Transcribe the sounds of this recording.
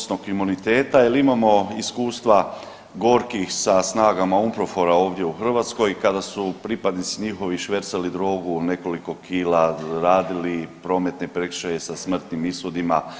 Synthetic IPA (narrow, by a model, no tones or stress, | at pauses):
snokimunit̪e̞ːt̪ajelimamo̞iskuːst̪ʋa | ɡo̞ɾkixsasnaːɡamaumpɾo̞fo̞ɾao̞ːʋd̪je̞uxr̩ʋat̪sko̞jkad̪asupɾipad̪nit̪siɲixo̞ʋiʃʋe̞ɾt̪salid̪ɾo̞ːɡune̞ko̞liko̞kʰiːlaɾaːd̪ilipɾo̞ːme̞t̪ne̞pɾekʃaje̞sasmr̩t̪nimisod̪ima